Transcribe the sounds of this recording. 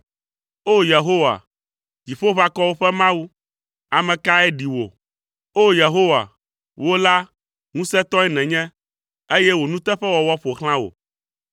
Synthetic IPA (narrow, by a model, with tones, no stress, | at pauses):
o˦je˨ɦo˦wa̰˨ | d͡ʑi˨ɸo˦βa˦kɔ˦wo˦ɸɛ˦mã˦wu˦ | a˨mɛ̃˨ka˦ɛ˦ɖi˨wo̰˨ | o˦je˨ɦo˦wa̰˨ | wo˦la˦ | ŋũ˦sɛ˦t̪ɔ̃˦ɛ˦nɛ̃˨ɲɛ̃˦ | e˦jɛ˦wo˨nũ˦t̪ɛ˦ɸɛ˦wɔ˨wɔ˦ɸo˨xl̃ã˦wo̰˨